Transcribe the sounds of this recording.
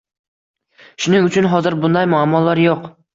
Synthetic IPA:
ʃʊnɪŋʊt͡ʃʰʊnɦɒzɪɾbʊnd̪ajmʊamːɒlˠːaɾjoq

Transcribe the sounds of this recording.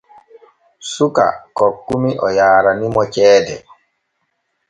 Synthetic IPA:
suka̰kɔkːumiʔɔjaːɾanimɔt͡ʃɛːdɛ̰

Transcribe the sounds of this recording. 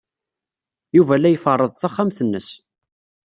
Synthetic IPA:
juvælæjfərˤːəðˤθæχːamθənːəs

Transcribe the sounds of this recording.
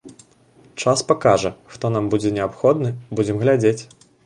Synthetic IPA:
t͡ʂaspakaʐɐxt̪ɔn̪ambud͡zʲɛnʲɛapxɔd̪nɨbud͡zʲɛmɣlʲad͡zʲet͡sʲ

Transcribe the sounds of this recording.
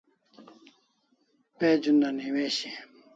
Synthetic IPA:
ped͡ʑund̪aniweɕi

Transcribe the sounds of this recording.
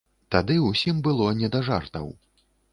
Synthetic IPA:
t̪ad̪ɨwsʲimbɨlˠɔnʲɛd̪ɐʐart̪ɐ̰w

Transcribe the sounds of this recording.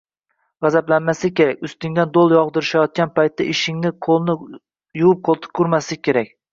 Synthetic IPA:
ʁɑzablanmasɪkʲe̞ɾakʲʊst̪ɪŋd̪and̪olˠjɒʁd̪ɪɾɪʃajɒt̪̚kʲanpajt̪̚ːaʔɪʃɪŋnɪqʰolˠnɪ | juwʊp̚qʰolˠt̪ʰɪ̥kʰʊɾmaslɪkʲʰe̞ɾak̚ʲ

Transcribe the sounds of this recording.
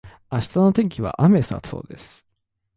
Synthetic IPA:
aɕi̥t̪ano̞t̪ẽ̞ŋkʲiβa̰ʔame̞sa̰so̰ːd̪e̞sɨ̥

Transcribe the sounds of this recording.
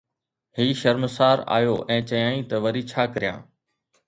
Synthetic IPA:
hiːʃɐɾməsaːɾa̰ːjoːʔɛ̃ːt͡ɕɐjãːĩt̪ɐʋɐɾiːt͡ɕʰaːkəɾijã̰ː

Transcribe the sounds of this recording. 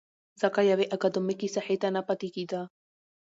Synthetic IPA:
zakajaβeʔakad̪omekisaħet̪anapat̪ikid̪a

